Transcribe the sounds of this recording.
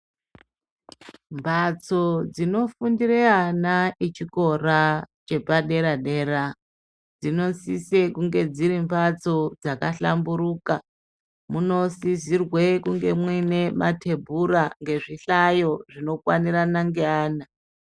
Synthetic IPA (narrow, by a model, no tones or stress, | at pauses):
mbʱat͡so̞d͡zino̞fundireanait͡ʃiko̞rat͡ʃe̞paɗe̞ɾaɗe̞ɾa | d͡zino̞sisekuŋɡe̞d͡ziɾimbat͡so̞d͡zakaɬambuɾuːka | muno̞sizirwekuŋɡe̞mwine̞matʰe̞bʱuɾaŋɡe̞ʐiɬajo̞ʐino̞kwaniɾanaŋɡeaːna